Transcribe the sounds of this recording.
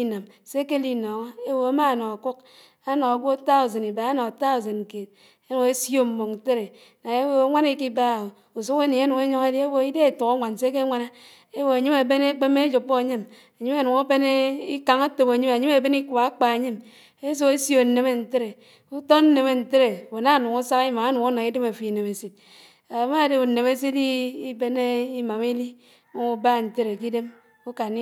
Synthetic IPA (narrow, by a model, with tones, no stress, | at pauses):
i˦na˨m | se˦ke˦li˦nɔ˨ŋa˦e˦wo˨a˦ma˦˨nɔ˨a˨ku˦k̚ | a˦nɔ˨a˨ɡʷo˦ta˦u˨ze˨ni˨ba˨a˦nɔ˨a˨ta˦u˨ze˨n̩˨ke˨t̚ | e˦nu˨ŋe˦sjo˦m̩˨mo˨kn̩˨te˦ɾe˨ | na˨e˦wo˦ŋʷa˦ne˦ki˦ba˦˨o˨ | u˨su˦ke˦ni˨a˦nu˨ŋe˦ɲo˦ŋe˦di˦e˦wo˨i˦de˦˨tu˨ko˦ŋʷa˨n˨se˦k̬e˦ŋʷa˦na˦ | e˦wo˨a˨ɲi˦me˨be˦ne˦k͡pe˦me˦d͡ʒu˨pːo˦a˨ɲi˦m | a˨ɲi˦ma˨nu˨ŋa˦be˦ne˦i˦ka˨ŋa˦to˨ba˨ɲi˦m˨a˨ɲi˦me˨be˦ni˦ku˨ba˨˦k͡pa˨e˨ɲi˦m | e˦s̬u˦ke˦sjo˨ne˨me˨n̩˨te˦ɾe˨ | u˦to˦n̩˦ne˨me˨n̩˨te˦ɾe˨wo˨na˦˨nu˨ŋu˦sa˦ki˦ma˨a˦nu˨ŋo˦na˨ŋi˦de˦me˨fi˨ne˨me˨si˨t̚ | a˨˦ma˦˨de˨u˨ne˨me˦si˦ti˦i˦be˦ne˦i˦ma˨mi˦li˦ | mo˦u˨ba˦˨n̩˨te˦ɾe˨ki˦de˦m | u˦ka˨n˦